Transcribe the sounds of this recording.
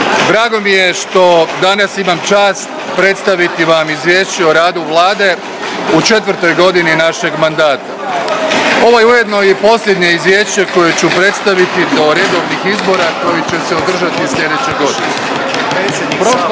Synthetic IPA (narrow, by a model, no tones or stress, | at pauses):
d̪ɾaːɡo̞mije̞ʃt̪o̞d̪anasimamt͡ʃaːst̪ | pɾe̞t̪st̪aʋit̪iʋamizʋje̞ːʃt͡ɕeoɾaːd̪uʋlˠaːd̪e̞ | ut͡ʃe̞t̪ʋɾt̪o̞jɡo̞d̪ininaʃe̞ɡmand̪aːt̪a | o̞ʋo̞jeuje̞d̪no̞jipo̞sʎʲe̞d̪ɲe̞izʋje̞ːʃt͡ɕe̞ko̞je̞t͡ɕupɾe̞t̪st̪aʋit̪id̪o̞ɾe̞d̪o̞ʋnixizbo̞ːɾako̞jit͡ɕe̞seod̪r̩ʒat̪isʎʲe̞d̪e̞t͡ɕeɡo̞d̪ine | pɾo